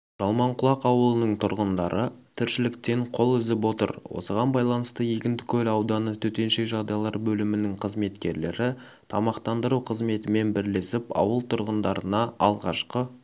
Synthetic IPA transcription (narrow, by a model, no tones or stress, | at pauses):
ʒ̥ɑlˠmɑɴqʰʊlˠɑqɑwəlˠənəɴt̪ʰʊɾʁənd̪ɑɾʔət̪ʰɪɾʃɪlɪkt̪e̞ɴqʰo̞lˠʏzɪpwo̞t̪ə̰ɾwo̞̰səʁɑnbɑjlˠɑnəst̪əjekʲɪnt̪ɪkʲʰɵlɑwd̪ɑnət̪ʰɵt̪e̞nʃe̞kʒɑd̪ɑjɑlˠɑɾbɵlɪmɪnɪŋqʰəzme̞t̪kʲe̞ɾle̞̰ɾɪ | t̪ʰɑmɑqt̪ɑnd̪əɾuqʰəzme̞t̪ɪme̞nbɪɾle̞sɪpɑ̰wəlˠt̪ʰʊɾʁənd̪ɑɾənɑɑlˠʁɑʃqə